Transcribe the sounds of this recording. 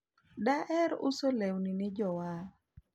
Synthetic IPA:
daʔɛɾʊsolewnɪnɪd͡ʒɔwa

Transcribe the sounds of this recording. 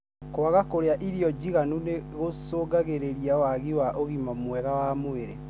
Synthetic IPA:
kwaɣakoɾeaʔiɾiɔd͡ʑiɣanuneɣosoːɡaɣeɾeɾiawaɣiwaʔoɣimamwɛɣawamoeɾe

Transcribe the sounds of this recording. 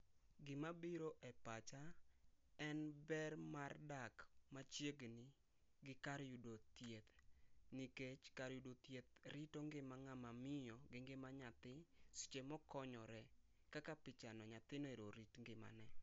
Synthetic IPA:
ɡɪmabiɾoʔɛpat͡ʃa | ɛnbɛrmardakmat͡ʃjeɡnɪ | ɡɪkaɾjudot̪jet̪niket͡ʃkaɾjudot̪jet̪̚ɾitoŋɡɪmaŋamamɪjɔɡeŋɡemaɲat̪ɪsɪ̥t͡ʃemɔkɔɲɔɾɛ | kakapɪt͡ʃanɔɲat̪ɪneɾoɾitŋɡɪma̰nɛ

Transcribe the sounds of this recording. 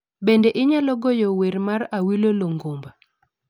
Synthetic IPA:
bendeʔɪɲalɔɡojoweɾmaɾawiloloŋɡomba

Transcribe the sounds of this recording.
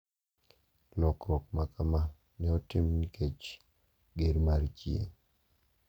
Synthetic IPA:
lɔkʰɔk̚makama | nɛɔtɪmnikʰet͡ʃ | ɡeɾmaɾt͡ʃjḛ

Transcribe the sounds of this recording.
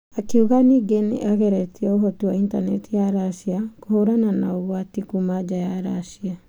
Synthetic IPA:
akiuɣaniɡenḭʔaɣɛɾɛtiɛoɦɔtuwaintanɛtijaɾaʃiakohoɾananaoɣwatikumad͡ʒajaɾaʃia

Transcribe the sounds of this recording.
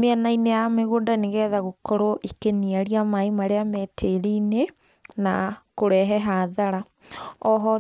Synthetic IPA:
meanainejameɣondaneɣɛːðaɣokɔɾoʔikeniaɾiamaimaɾeamɛtʰeɾine | nakoɾɛɦɛɦaːðaɾa | ɔɦɔ

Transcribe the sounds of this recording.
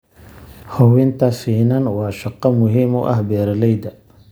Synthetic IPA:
hɔwɛnt̪ʰɐsiːnɐnwɑːʃɐqːɑmʊɦiːmʊ̰ʔɐ̰hbɛːɾɐlɛjd̪ɐ

